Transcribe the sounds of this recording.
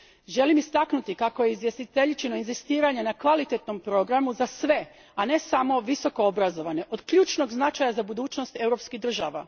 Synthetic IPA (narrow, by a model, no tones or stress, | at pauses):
ʒe̞limist̪aknut̪ikako̞je̞izʋje̞st̪it̪e̞ʎit͡ʃino̞inzist̪iːɾaɲenakʋalit̪et̪no̞mpɾo̞ɡɾamuzasʋe̞ | ane̞samo̞ʋiso̞koobɾazo̞ʋane̞ʔo̞d̪kʎuːt͡ʃno̞ɡznat͡ʃajazabud̪uːt͡ʃno̞st̪e̞wɾo̞pskiɦd̪r̩ʒa̰ʋa̰